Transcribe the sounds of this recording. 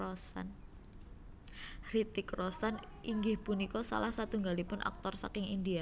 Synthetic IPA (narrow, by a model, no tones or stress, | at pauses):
ɔsa̰n | ɾit̪ikrɔsan | ʔiŋɡɪhpunikɔsa̰lahsat̪uŋɡalipʊnʔa̰k̚t̪ɔrsa̰kɪŋḭndia